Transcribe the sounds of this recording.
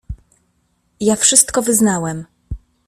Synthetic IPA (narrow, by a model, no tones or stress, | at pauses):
jafʂɘst̪kɔvɘznawɛm